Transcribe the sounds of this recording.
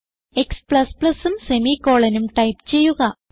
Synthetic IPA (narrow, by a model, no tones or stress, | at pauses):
e̞kspɭɐspɭɐsumse̞mikːo̞ːɭɐnumʈɐjpt͡ɕe̞jːuɣɐ